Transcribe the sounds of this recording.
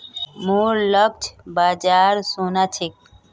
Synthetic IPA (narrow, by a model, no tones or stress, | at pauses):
muɾləb̚d͡ʒbaːd͡ʒaɾsonat͡ʃʰek